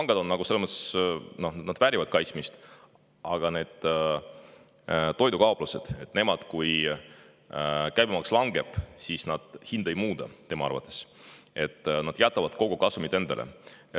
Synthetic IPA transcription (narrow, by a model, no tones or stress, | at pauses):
ɑŋɡ̥ɑd̪o̞nːɑɡ̥uselːeməssno̞hnnɑd̪væɾʲivɑd̪̥kɑjt̪smist̪ | ʔɑɡ̥ɑne̞ːd̪̥ | t̪ːo̞jd̪ukɑopluse̞d̪̥e̞t̪ˑːne̞mɑd̪̥kuj | kæjbimɑkslɑŋɡe̞b̥sisnɑd̪̥hind̪̥ɑjmuːd̪̥ɑt̪e̞mɑɑ̰rvɑ̰t̪ːˑe̞̥se̞t̪ːˑnɑd̪̥jɑt̪ːˑɑvɑd̪̥ko̞ɡukɑsumit̪ːe̞nd̪elʔḛ